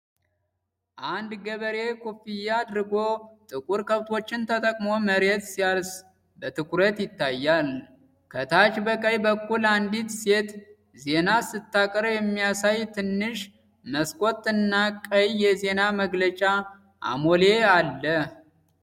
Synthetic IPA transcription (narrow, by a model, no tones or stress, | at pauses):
ʔand̪ɡəβəɾe̞kʰufijːaːd̪ɾɨɡo̞t̪ʼɨkʼuɾkʰəβt̪ʰo̞t͡ʃːɪnt̪ʰət̪ʼəkʼmo̞məɾe̞t̪sijals | bət̪ʰɨkʰʼuɾət̪jɪt̪ːajːal | kʰət̪ʰat͡ʃbəkʼəjbəkːuland̪it̪se̞t̪ | ze̞nasɨt̪ːakʼɾjɛmːijasajt̪ʰɨnːɨʃ | məskʼo̞t̪ʼːɨnːakʼəjːɛze̞naməɡlət͡ʃʼa | ʔa̰mole̞alːə